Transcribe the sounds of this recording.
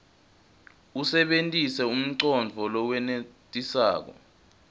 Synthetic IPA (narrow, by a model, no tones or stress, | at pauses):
usɛɓentʼisɛum̩ǀɔnd͡vʱɔlɔwɛnetʼisa̰ːk̬ɔ̰